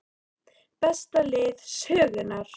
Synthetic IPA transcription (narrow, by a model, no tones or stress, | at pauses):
pɛst̪alɪːðsœːɣɪnaɾ̥